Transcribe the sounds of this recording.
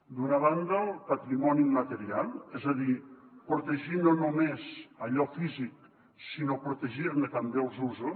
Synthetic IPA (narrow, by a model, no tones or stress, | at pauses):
d̪unaβ̞and̪əlˠpat̪ɾimɔnimat̪əɾialˠɛzaðipɾot̪eʒinonomezəʎɔfizik̚ | sinopɾut̪eʒiɾnət̪ambeəlˠzuzu